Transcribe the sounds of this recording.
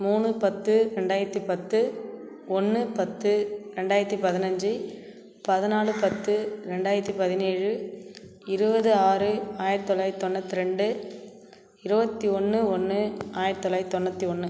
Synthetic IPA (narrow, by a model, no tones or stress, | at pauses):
muːɳɯpɐt̪ːɯɾɛɳɖaːjɪɾɐt̪ːipɐt̪ːɯ | ɔnːɯpɐt̪ːɯɾɛɳɖaːjɪɾɐt̪ːipɐðɪnɐɲd͡ʒɯ | pɐðɯnaːɭɯpɐt̪ːɯɾɛɳɖaːjɪɾɐt̪ːipɐðɪneːɻɯ | ɪɾɯbɐðɯaːɾɯaːjɪɾt̪ːɔlaːjt̪ːɔnːɐt̪ːɯɾɛɳɖɯ | ɪɾɯbɐt̪ːiɔnːɯɔnːɯaːjɪɾt̪ːɔlːaːjt̪ːɔnːɐt̪ːiɔnːɯ